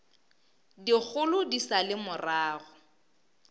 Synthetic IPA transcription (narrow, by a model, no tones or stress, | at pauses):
dik͡xʰʊlʊdisalɪmʊraːɣʊ